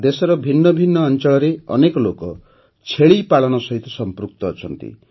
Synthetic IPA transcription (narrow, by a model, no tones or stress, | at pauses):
d̪esɔɾɔbʱinːɔbʱinːɔːnt͡ʃɔɭɔɾeɔ̰nekɔlokɔ | t͡ʃʰeɭipaɭɔnɔsɔɦit̪ɔsɔmpɾuk̚t̪ɔːt͡ʃʰɔnt̪ḭ